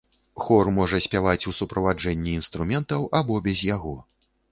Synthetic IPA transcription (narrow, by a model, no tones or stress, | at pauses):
xɔrmɔʐɐsʲpʲavat͡sʲusupɾɐvad͡ʐɛnʲːiːnst̪ɾumʲɛnt̪ɐwʔabɔbʲɛzʲjaɣɔ